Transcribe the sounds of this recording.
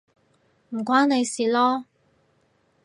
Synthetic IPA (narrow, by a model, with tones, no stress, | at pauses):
m̩˨˩kʷaː˥ne˨˧jsiː˨˩lɔː˥